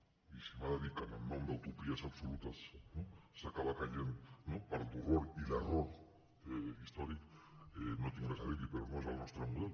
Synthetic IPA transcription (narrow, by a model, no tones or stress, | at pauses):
isimaðaðikananmand̪awt̪opiasaβsolut̪asnosakaβakaʎennopaɾat̪uroɾilaroɾ | eist̪oɾikenot̪eŋɾesaɾiβipeɾonoezβalnost̪ɾamuðel